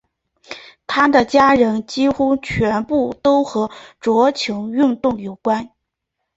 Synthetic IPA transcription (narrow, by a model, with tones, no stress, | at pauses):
t̪ʰa˥d̪ə˨t͡ɕja˥ɻə˧˥nt͡ɕi˥xu˥t͡ɕʰɥɛ˧˥npu˥˩t̪o˥ʊxɤ˧˥ʈ͡ʂwɔ˧˥t͡ɕʰjʊ˧˥ŋy˥˧nt̪ʊ˥˩ŋjo˨˩ʊkwa˥n